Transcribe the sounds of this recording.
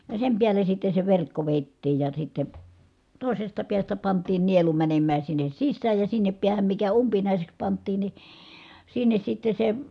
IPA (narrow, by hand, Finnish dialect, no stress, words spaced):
jɑ sem piæle sitːe se ʋerkːo ʋeˑi̯tːiːj jɑ sitːe toˑisestɑ piæstæ pɑntˑiːn̆ nielu mænemːæː sinːes sisːæːj jɑ sinːep piæhæm mikæ umpinɑˑiseks pɑntˑiːn ni sinːes sitːe se